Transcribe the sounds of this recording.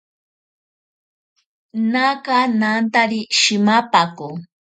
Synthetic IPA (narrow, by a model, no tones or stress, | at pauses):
nakanant̪aɾiʃɪmapaku